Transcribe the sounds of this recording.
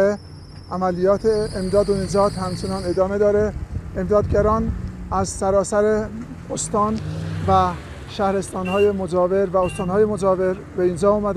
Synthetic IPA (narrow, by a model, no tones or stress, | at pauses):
e | ʔæmælijɒːt̪ʰeːmd̪ɒːd̪oind͡ʒɒːd̪̥hæmt͡ʃʰe̞nɒne̞d̪ɒːme̞d̪ɒːɾeemd̪ɒːd̪̚ɡæɾɒːnæzsæɾɒːsæɾe | ost̪ɒːnvæ | ʃæhɾe̞st̪ɒːnɦɒːjemod͡ʒɒːveɾvæost̪ɒːnhɒːjemod͡ʒɒːveɾ | beind͡ʒɒːuːmæd̪